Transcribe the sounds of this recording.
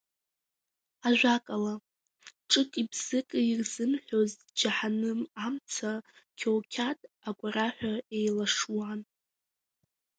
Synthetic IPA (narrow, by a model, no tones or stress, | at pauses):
aʒᶣʷakʼala | ʈ͡ʂʼɨkʼibz̥ɨkʼɨirzɨmħʷᶣoz | d͡ʒaħanɨmamt͡sʰa | kʲʰowkʲʰatʼaɡʷʼaɾaħʷᶣaejlaʂwan